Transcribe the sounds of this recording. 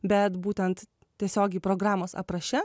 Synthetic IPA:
bʲɛt̪buːt̪ʲɛnt̪ | tʲiɛsʲoːɡʲɛɪpɾoːɡɾɑːmoːsɐ̰pɾɐʃʲɛ

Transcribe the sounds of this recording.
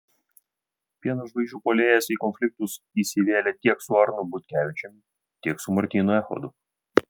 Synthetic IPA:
pʲiɛnɐʃbɐɪʒʲuːpolʲeːjɛsiːkɔnʲfʲlʲɪk̚t̪ʊs | iːsʲɪʋʲeːlʲɛt̪ʲiɛksʊɑɾnʊbʊt̪ʲkʲæːʋʲɪt͡ʃʲɛmʲ | t̪ʲiɛksʊmɐɾʲt̪ʲiːnʊɛxɔ̰d̪ʊ

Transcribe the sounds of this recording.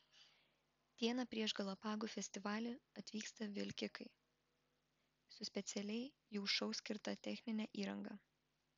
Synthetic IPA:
t̪ʲiɛnɐpʲɾʲiɛʒɡɐlˠɐpɑːɡuːfʲɛsʲt̪ʲɪʋɑːlʲeɐt̪ʲʋʲiːkst̪ɐʋʲɪlʲkʲɪkɐɪ | sʊsʲpʲɛt̪sʲɛlʲɛɪ | jɛʊʃɐʊsʲkʲɪɾt̪ɐt̪ʲɛxʲnʲɪnʲɛːʔiːɾɐŋɡɐ

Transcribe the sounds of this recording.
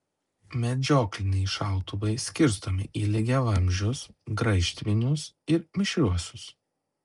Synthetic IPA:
mʲɛd͡ʒʲoːklʲɪnʲɛɪʃɑˑʊt̪ʊʋɐɪsʲkʲɪɾst̪omʲɪʔiːlʲɪɡʲɛʋɐmʲʒʲʊsɡɾɐɪʃʲt̪ʲʋʲɪnʲʊs | ɪɾmʲɪʃʲɾʲuɔsʲʊs

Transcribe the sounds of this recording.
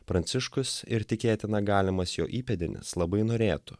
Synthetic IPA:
pɾɐnʲt̪sʲɪʃkʊsɪɾt̪ʲɪkʲeːt̪ʲɪnɐɡɑːlʲɪmɐsjo̰ːʔiːpʲɛd̪ʲɪnʲɪ̰slˠɐbɐɪnoːɾʲeːt̪ʊ̥

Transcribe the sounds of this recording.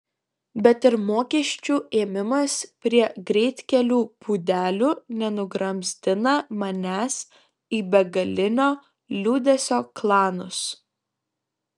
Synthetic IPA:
bʲɛt̪ɪɾmoːkʲiɛʃʲt͡ʃʲuːeːmʲɪmɐspʲɾʲiɛɡɾʲɛɪt̪ʲkʲɛlʲuːpuːd̪ʲæːlʲuːnʲɛnʊɡɾɐmʲsʲt̪ʲɪnɐmɐnʲæːs | iːbʲɛɡɐlʲɪnʲoː | lʲuːd̪ʲɛsʲoːklˠɑːnʊs

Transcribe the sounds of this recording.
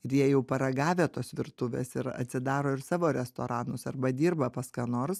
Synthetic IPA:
ɪɾjiɛjɛʊpɐɾɐɡɑːʋʲeːt̪oːsʋʲɪɾt̪ʊʋʲḛːsɪɾɐ̰t̪ʲsʲɪd̪ɑːɾoːɪɾsɑːʋoːɾʲɛst̪o̰ːɾɑːnʊsɐɾbɐd̪ʲiːɾbɐpɐskɑːnoːɾs

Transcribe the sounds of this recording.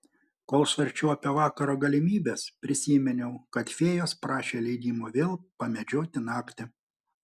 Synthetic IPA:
koːlˠʃʋɐɾʲt͡ʃʲuʊɐpʲeʋɑːkɐɾoːɡɐlʲɪmʲiːbʲeːspʲɾʲɪsʲiːmʲɛnʲɛʊkɐt̪fʲeːjoːspɾɑːʃʲeːlʲɛɪd̪ʲiːmuʋʲeːlˠpɐmʲɛd͡ʒʲoːt̪ʲɪnɑːkʲt̪ʲɪ

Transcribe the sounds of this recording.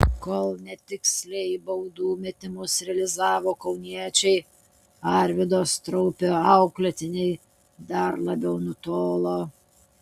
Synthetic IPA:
koːlˠnʲɛt̪ʲɪksʲlʲɛjbɐʊd̪uːmʲɪt̪ʲɪmʊsɾʲɛɐlʲɪzɑːʋoːkɐʊnʲiɛt͡ʃʲɛɪ | ɑɾʲʋʲɪd̪oːst̪ɾɔʊpʲoɐʊklʲɛt̪ʲɪnʲɛɪ | d̪ɐɾlˠɐbʲɛʊnʊt̪oːlˠoː

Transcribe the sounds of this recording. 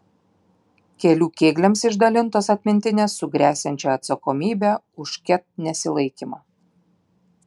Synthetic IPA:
kʲɛlʲuːkʲeːɡlʲɛmsɪʒd̪ɐlʲɪnt̪oːsɐt̪ʲmʲɪnʲt̪ʲɪnʲeːsːʊɡɾʲæːsʲɛnʲt͡ʃʲɛɐt̪sɐkomʲiːbʲæ | ʊʃkʲɛt̪̚nʲɛsʲɪlˠɐɪkʲimɑː

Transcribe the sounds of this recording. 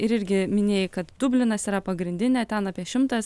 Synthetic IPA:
ɪɾɪɾʲɡʲɪmʲɪnʲeːjɪkɐt̪d̪ʊbʲlʲɪnɐsiːɾɐpɐɡɾʲɪnʲd̪ʲɪnʲɛt̪ʲɛnɑːpʲiɛʃʲɪmt̪ɐs

